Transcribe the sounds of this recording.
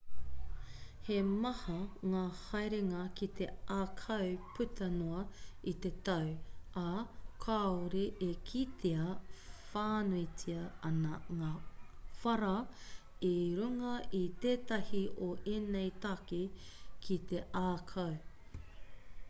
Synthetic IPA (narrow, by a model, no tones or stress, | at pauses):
hemɐhɐŋaːhɐjɾeŋɐkit̪ʰe̞ʔaːkʰɐwpʰʉt̪ʰɐnoɐit̪e̞t̪ɐwakʰaoɾiʔekʰit̪ʰeɐfaːnoit͡sʰiɐɐnɐŋaːfɐɾɐ | iɾuŋɐʔit̪eːt̪ɐhioʔeːnejt̪akikʰit̪e̞ʔaːkʰɐw